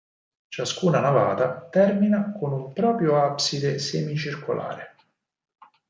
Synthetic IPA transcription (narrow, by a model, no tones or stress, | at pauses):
t͡ʃaskuːnanavaːt̪at̪ɛrminakonumpɾɔːpɾjoapsid̪esemit͡ʃirkolʔa̰ːɾe